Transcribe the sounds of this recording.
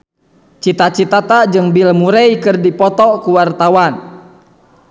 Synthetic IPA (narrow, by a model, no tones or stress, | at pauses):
t͡ʃit̪at͡ʃit̪at̪ad͡ʒɨŋbilmuɾɛjkɨrdipɔt̪ɔkuwart̪awan